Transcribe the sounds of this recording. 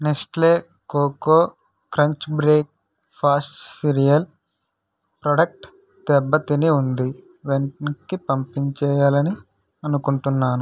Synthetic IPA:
neksʈle̞ː | koːkoː | kɾɐɲt͡ʃbɾeːk̚ | pʰaːsʈsiɾijɐl | pɾɐɖɐk̚ʈ | d̪̥ɛbːɐt̪iniund̪i | ʋeɳʈkipɐmpiɲt͡ʃɛːjaːlɐni | ɐnukuɳʈunːaːnu

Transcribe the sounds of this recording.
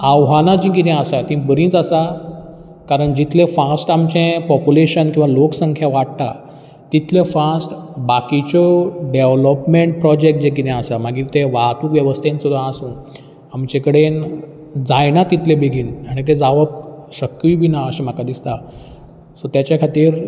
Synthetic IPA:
awɦanãd͡ʑĩkit̪ɛ̃əsat̪ĩbəɾĩt͡səsa | kaɾəɳd͡ʑit̪ʰlẽfasʈamt͡ɕẽpɔpuleɕənkĩʋaloksəŋkʰjaʋaɽt̪a | t̪it̪ʰlẽfasʈbakit͡ɕɔɖeʋləpmeɳʈ̚pɾɔd͡ʑek̚ʈ̚d͡ʑẽkit̪ɛ̃asamaɡiːɾt̪eʋaɦt̪uːkʋjəʋəst̪ʰẽnt͡sod̪ãasũ | amt͡ɕẽkəɽen | d͡zajnat̪it̪lẽbeɡʱiːnaɽ̃it̪̬ed͡zaʋək̚ɕəkːiːbʱinaəɕem̤akad̪ist̪a | sɔt̪jat͡ɕjakʰat̪iːɾ

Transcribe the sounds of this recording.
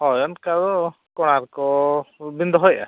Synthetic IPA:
hɔjɔnkaɾɔ | kɔɽ̃aɾkɔbind̪ɔɦɔjʔa̰

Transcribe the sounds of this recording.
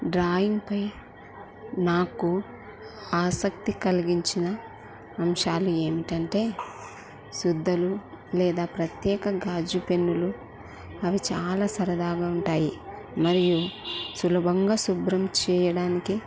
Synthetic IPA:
ɖɾaːjiŋɡpɐj | naːku | aːsɐkt̪ikɐlɐɡiɲt͡ʃinɐː | mʃaːlue̞ːmiʈɐɳʈe̞ː | sud̪ʱːɐlu | lɛːd̪aːpɾɐt̪jɛːkɐɡaːd͡ʒupe̞nːulu | ɐʋit͡ʃaːlaːsɐɾɐd̪aːɡaːuɳʈaːji | mɐɾijusulɐbʱɐŋɡaːsubɾɐmt͡ʃɛːjɐɽaːniki

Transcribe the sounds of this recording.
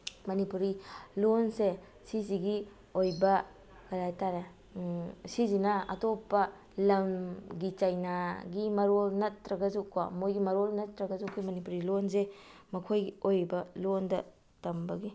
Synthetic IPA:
mɐnipuɾilonse | siziɡi | ojbɐ | ɡɐjɾajtaɾe | sizinɐɐ̰topːɐ | lɐmɡit͡ʃajnaɡimɐɾolnɐtɾɐɡɐzukwa̰mojɡimɐɾolnɐtːɾɐɡɐzukʰːojmɐnipuɾilons̬e | mɐkʰojɡiojbɐlondɐ | tɐmbɐɡi

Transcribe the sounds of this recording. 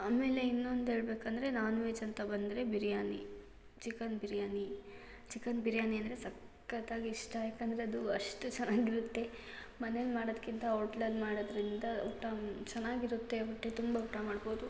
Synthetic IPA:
aːme̞ːle̞inːo̞nd̪uɦe̞ːɭbe̞ːkɐnd̪ɐɾe̞naːnuʋeːt͡ʃɐnt̪ɐbɐnd̪ɐɾebiɾjaːnḭ | t͡ʃikɐnbiɾjaːni | t͡ʃikɐnbʱiɾjaːniɐnd̪ɐɾe̞sɐkː | ɐt̪aːɡiːʂʈɐjaːkɐnd̪ɐɾeɐd̪uɐʂʈut͡ʃɛnːaːɡiɾut̪ːe̞ | mɐnelmaːɽod̪kːint̪ɐoːʈlɐlmaːɽod̪ɾind̪ɐuʈːat͡ʃɐnːaːɡiɾut̪ːe̞uʈːet̪umbɐuʈamaːɽbo̞ːd̪u

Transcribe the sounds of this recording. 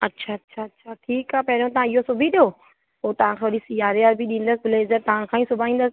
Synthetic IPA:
ɐtːʃʰaɐtːʃʰaɐtːʃʰaʈʰiːkaːpɛɦɾõt̪ɐʋ̤ãɪɦosʊbʱiɗijo | poːt̪ɐʋ̤ãkʰãːʋɐɾisijaːɾeaɾbʱiɗĩːn̆d̪əs̬ɪbɪlezəɾt̪ɐʋ̤ãkʰãːĩsʊbʱaːĩːn̆d̪əs

